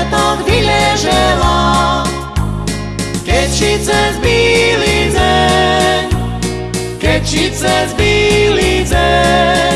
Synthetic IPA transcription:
t̪ɔɡ̪ʋijɛʒɛla | kɛct͡ʃit͡sɛzbiːlid͡zɛ | kɛct͡ʃit͡sɛzbiːlit͡sɛ

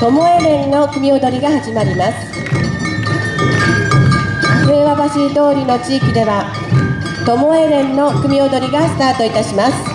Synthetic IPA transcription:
t̪o̞mo̞e̞ɾẽ̞nːo̞kɯ̟mʲio̞d̪o̞ɾʲiɡahaʑimaɾʲimasɨ̥ | seːβabaɕid̪o̞ːɾʲino̞t͡ɕiːkʲid̪e̞βa | t̪o̞mo̞e̞ɾẽ̞nːo̞kɯ̟mʲio̞d̪o̞ɾʲiɡasɨ̥t̪aːt̪o̞it̪aɕimasɨ̥

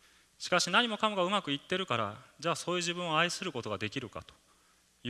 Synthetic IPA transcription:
ɕi̥kaɕinaɲ̟imo̞kamoɡaɯ̟makɯ̟it̪ːe̞ɾɯ̟kaɾad͡ʑaːso̞ːjɯ̟ːʑibɯ̟̃ɰ̃oaisɨɾɯ̟ko̞t̪o̞ɡad̪e̞kʲiɾɯ̟ka̰t̪o̥ | j

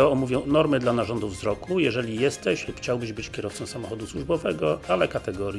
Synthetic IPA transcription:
ɔɔmuvʲjɔ̃w̃nɔɾmɘd̪lanaʐɔnd̪uvzɾɔkujɛʐɛlʲijɛst̪ɛɕlupxt͡ɕawbɘʑbɘt͡ɕkʲjɛɾɔft̪sɔ̃w̃samɔxɔd̪uswuʐbɔvɛɡɔalɛkat̪ɛɡɔɾʲ

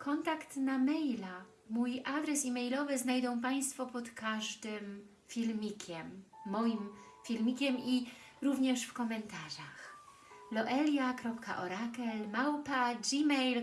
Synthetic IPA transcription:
kʰɔnt̪akt̪namɛjla | mujʔad̪ɾɛsimɛjlɔvɘznajd̪ɔ̃w̃p̬aj̃st̪fɔpɔt̪kaʐd̪ɘm | fʲilmʲikʲʰɛmːɔjim | fʲilmʲikʲɛmi | ɾuvɲɛʂfkɔmɛnt̪aʐax | lɔʔɛlʲjakɾɔpka̰ʔɔɾakɛlmawpad͡ʒimɛjl

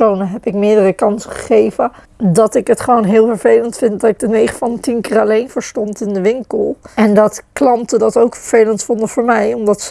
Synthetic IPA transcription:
ownəɦɛpɪk̚mɪːdərəkɑnsəχə̥χejvə | dɑtɪkɦətχəʋownɦɪːlˠvəɹvejləntfɪntdɑtɪɡ̚dənejχəfɑntinkɪːɹalejnvəːɹstɔntɪndəʋɪŋkəlˠɛndɑtklɑntədɑtowkfəɹv̥ejləntfɔndəvʊːɹmɛjɔmdɑts

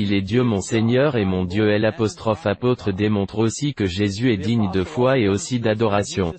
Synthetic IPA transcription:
ilɛd̪jømɔ̃seɲœʁemɔ̃d̪jøɛlapɔst̪χɔfapot̪χəd̪emɔ̃t̪χosikəʒezyɛd̪iɲd̪əfwaeosid̪ad̪ɔʁasjɔ̃

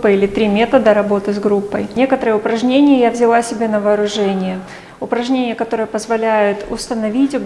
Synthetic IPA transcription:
pːəilʲɪt̪ɾʲimʲe̞t̪əd̪əɾɐbo̞t̪ɨzɡɾupːəjnʲekət̪əɾɨjəʊpɾɐʐnʲenʲɪjəjavzʲɪlˠasʲɪbʲenəvɐːɾʊʐɛnʲɪjə | ʊpɾɐʐnʲenʲɪjəkɐt̪o̞ɾəɨjəpəzvɐlʲæjʊt̪ʊst̪ənɐvʲitʲ

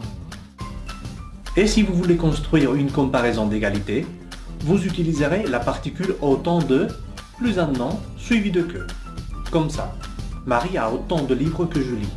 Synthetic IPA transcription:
esivuvulekɔ̃st̪χɥiʁynkɔ̃paʁɛzɔ̃d̪eɡalit̪e | vuzyt̪ilizəʁelapaʁt̪ikʲylot̪ɑ̃d̪ə | plyzɛ̃d̪nɑ̃sɥivid̪əkʲø̰ | kɔmsa̰ | maʁiaot̪ɑ̃d̪əlivʁəkəʒəli

